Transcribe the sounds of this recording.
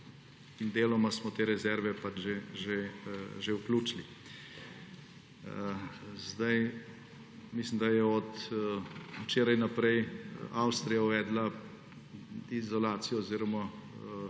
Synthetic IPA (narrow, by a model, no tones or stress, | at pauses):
ind̪eːlɔmasmɔt̪eːɾɛzɛɾʋɛpad͡ʒʒeʒeʒewkluːt͡ʃli | zd̪aj | mislimd̪ajɛɔt̪ | t͡ʃeːɾajnɐpɾɛjawst̪ɾijauʋɛːd̪la | izɔlaːt̪sijɔɔziːɾɔma